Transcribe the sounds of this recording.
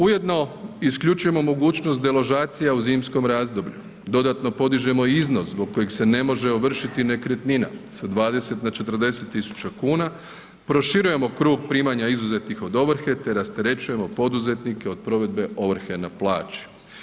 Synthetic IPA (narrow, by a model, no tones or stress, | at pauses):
uje̞d̪no̞iskʎut͡ʃuje̞mo̞mo̞ɡuːt͡ɕnost̪d̪elo̞ʒaːt̪sijauziːmsko̞mɾaːzd̪o̞bʎṵ | d̪o̞d̪at̪no̞po̞d̪iʒe̞mo̞iznoszbo̞ɡ̚kːo̞jeɡse̞ne̞mo̞ʒe̞oʋr̩ʃit̪ine̞kɾe̞t̪nina̰sad̪ʋaːd̪e̞se̞t̪nat͡ʃe̞t̪r̩d̪e̞se̞t̪ːisu̥t͡ɕakuːna | pɾo̞ʃiɾuje̞mo̞kɾuːɡ̚pɾiːmaɲaizuze̞t̪nixo̞d̪o̞ʋɾ̩xe̞t̪e̞ɾast̪eɾe̞t͡ɕuje̞mo̞po̞d̪uze̞t̪nike̞o̞d̪̚pɾo̞ʋe̞d̪̚be̞ʔo̞ʋɾ̩xenaplˠa̰ːt͡ɕi̥